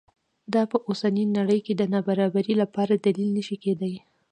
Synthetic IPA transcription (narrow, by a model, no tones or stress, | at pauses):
d̪ɑpəʔosaninaɽəjked̪ənɑbaɾɑbaɾilapɑɾad̪alilnəʃiked̪aj